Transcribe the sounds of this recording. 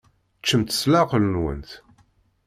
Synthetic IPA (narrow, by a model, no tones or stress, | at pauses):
t͡ʃːəmt̪ə̥slaqəlnwə̰nt̪